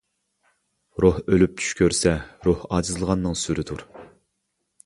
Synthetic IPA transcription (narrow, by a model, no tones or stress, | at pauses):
ɾuhølyp̚t͡ʃʰy̥ʃkʲøɾsɛɾuhɑːd͡ʒɨzɨlˠəʁɑnːɨŋsyɾɪt̪ʰuɾ